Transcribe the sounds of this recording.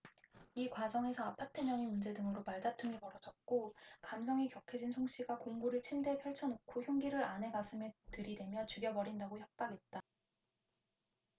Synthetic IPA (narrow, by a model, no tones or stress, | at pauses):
ikwad͡ʑʌŋe̞sʰʌapʰatʰemjʌɲimund͡ʑe̞dɯŋɯɾopaɭdatʰuŋipʌɾʌd͡ʑʌt̚k͈okams̬ʰʌŋikjʌkʰed͡ʑinsʰoŋɕ͈iɡakoŋɡuɾɯɭt͡ɕʰimde̞pʰjʌɭt͡ɕʰʌnokʰoçjoŋɡiɾɯɾanɦe̞ɡasʰɯmetɯɾidwe̞mjʌt͡ɕuɡjʌbʌɾindaɡoçjʌp̚p͈aɡe̞t̚t͈a